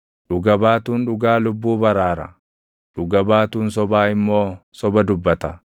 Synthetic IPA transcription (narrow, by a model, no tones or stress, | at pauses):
ᶑʊɡɐbaːt̪uːnᶑʊɡaːlʊbːuːbɐɾaːɾɐ̰ | ᶑʊɡɐbaːt̪uːns̬ɔbaːɪmːo̞ːsɔbɐd̪ʊbːɐt̪ɐ